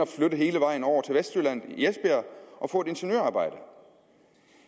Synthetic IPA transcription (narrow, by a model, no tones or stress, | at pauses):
ɒflød̥əɦe̝ːləʋɑ̈ɪ̰n̩ɒʊ̰ɐt͡sʰe̝lʋesd̥yɐlæn̰ð̩ˠiesb̥eɐʔɒ̽fɔ̰̽ːe̝̥e̝nɕənøɐɑːb̥ɑ̈ɪ̰d̥ə